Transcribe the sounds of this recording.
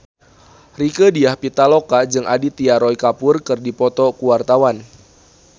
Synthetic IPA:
rikədiahpit̪alokad͡ʒɨŋʔadit̪iaɾɔjkapʊrkɨrdipɔt̪ɔkuwart̪awan

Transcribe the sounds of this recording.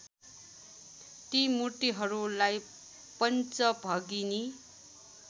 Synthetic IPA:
t̪imuʈiɦʌɾulaj | pʌnt͡sʌbʱʌɡini

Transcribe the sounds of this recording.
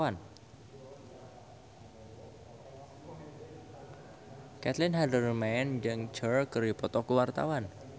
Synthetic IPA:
an | kɛt̪lɪnɦadərmɛnd͡ʒɨŋt͡ʃərkəripɔt̪ɔkuwart̪a̰wan

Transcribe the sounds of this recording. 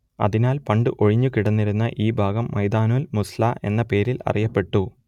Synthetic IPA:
ɐ̰ðinaːlpɐɳɖɨʔo̞ɻiɲːukiɽɐnːiɾunːɐʔiːbʱaːɡɐmːɐjd̪aːnuːlmuslaʔe̞̰nːɐpe̞ːɾilɐ̰rijɐpːe̞ʈːu

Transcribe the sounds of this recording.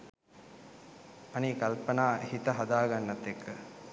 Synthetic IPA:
ɐniːkalpənaːehit̪əɦɐd̪aːɡanːɐt̪ːekʰːə

